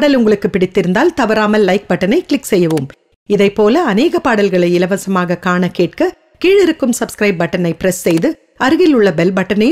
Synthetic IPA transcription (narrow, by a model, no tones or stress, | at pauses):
ɽɐlʊŋɡɐɭɯkːɯpːɪɽɪt̪ːɪɾɯnd̪aːlt̪ɐʋɐɾaːmɐlːɐɪk̚bɐʈːɐnɐɪkɪɭɪksɛjːɐʋɯm | ɪðɐɪpːoːlɐɐneːɣɐpaːɽɐlɣɐɭɐɪɪlɐʋɐsɐmaːɣɐkaːɳɐkeːʈ̚kɐ | kiːɻɪɾɯkːɯmsɐbskɾɐɪp̚bɐʈːɐnɐɪpɪɾɛsːɛjðɯ | ɐɾɯɣɪlʊɭːɐbɛlbɐʈːɐnɐj